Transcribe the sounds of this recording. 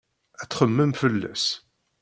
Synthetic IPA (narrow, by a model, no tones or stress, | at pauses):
æt͡sːχəmːəmfəlːæ̰s